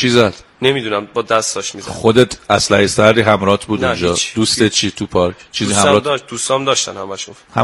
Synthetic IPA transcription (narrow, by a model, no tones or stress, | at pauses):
t͡ʃʰizæd̪̥nemid̪unæmbɒd̪æst̪ɒʃmizæxod̪et̪ʰæslæhesæɾd̪iːɦæmɾɒːt̪ʰbuːd̪und͡ʒɒːd̪uːst̪et̪̚t͡ʃʰit̪ʰupʰɒɾkʰt͡ʃʰiːzihæmɾɒːd̪̥ust̪ɒmd̪ɒʃt̪æ̰nhæmæʃun | hæ